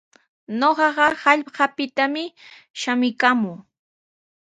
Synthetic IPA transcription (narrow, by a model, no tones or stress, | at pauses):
noɢɑɢɑhɑʎɢɑpɪt̪amɪ | ʃamɪkamʊː